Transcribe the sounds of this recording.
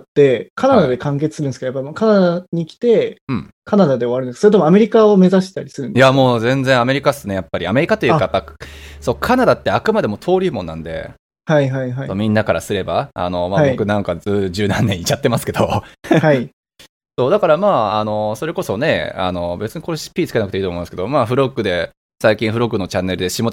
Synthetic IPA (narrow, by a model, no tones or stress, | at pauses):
t̪ːe̞kʰanad̪ad̪e̞kãŋk̬e̞t͡sɨ̥sɨɾɯ̟̃nskejapːaimakanad̪aɲ̟ikʲi̥t̪e̞ɯ̟̃ɴkanad̪ad̪e̞oβaɾɯ̟ssoɾet̪omame̞ɾʲikaome̞zaɕi̥t̪aɾʲisɨɾɯ̟nijamo̞ːzẽ̞nd͡zẽame̞ɾʲikḁsɨnejapːaɾiame̞ɾikat̪ojɯkajapːasoːkʰanad̪at̪ːe̞akɯ̟mad̪e̞mo̞t̪ʰo̞ːɾʲiːmõ̞nːãnd̪e̞̰ | haiɦaiaomʲĩnːakaɾasɨɾe̞baa̰no̞maːbo̞kɯ̟nãŋkazɨːʑɨːnãnːẽ̞it͡ɕat̪ːe̞masɨ̥ke̞d̪o̞hai | so̞ːd̪akaɾamaːano̞so̞ɾe̞ko̞so̞ne̞̰a̰no̞be̞t͡sɨɲikoɾoɕi̥pʲiːt͡sɨ̥ke̞nakɯ̟t̪eiːtom̃ːmsked̪o̞maːɸɯ̟ɾo̞ɡːɯ̟d̪e̞ | saikʲĩɰ̃ɸɯ̟ɾo̞ɡɯno̞t͡ɕanːe̞ɾɯ̟d̪e̞ɕimo̞